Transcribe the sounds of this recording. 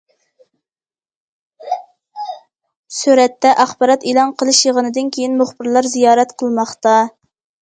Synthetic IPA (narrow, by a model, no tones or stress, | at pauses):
syɾɛt̪ʰːɛʔɑχbɑɾɑt̪elˠɑnqʰəlˠɨʃjəʁənɨd̪ɨnkʲʰejinmʊχb̥ɨɾlˠɑɾzijɑːɾɛt̪qʰəlˠmɑχt̪ɑ